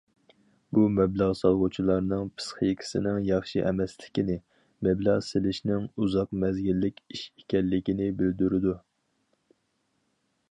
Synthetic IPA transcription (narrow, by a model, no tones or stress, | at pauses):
bumɛblˠɑʁsɑlˠʁʊt͡ʃʰilˠɑɾnɨŋpʰɨ̥sχɨjkʲʰi̥sɪnɪŋjɑχʃiʔɛmɛslɪ̥kʲinɪ | mɛblˠɑʁsɪlɪʃnɪŋuzɑqmɛzɡʲilːɪkʲiʃe̥kʲɛlːɪkʲinɪbɪld̪yɾɪd̪u